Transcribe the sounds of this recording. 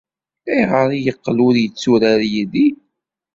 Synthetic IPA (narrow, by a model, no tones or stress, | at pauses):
æjʁəɾˤijəqːlʊɾjət͡sːuɾaɾjiði